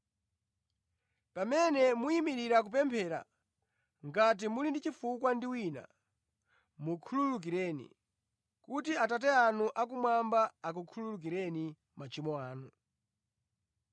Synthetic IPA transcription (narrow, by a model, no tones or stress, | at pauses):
pamɛnɛmuimiɾiɾak̬up̬ɛmpʰɛɾa̰ | ŋɡat̬imulindit͡ʃifukwandiwina̰ | mukʰululuk̬iɾɛːnḭ | kutiatatɛanuʔakumwambaːkukʰululuk̬iɾɛni | mat͡ʃimɔaːnu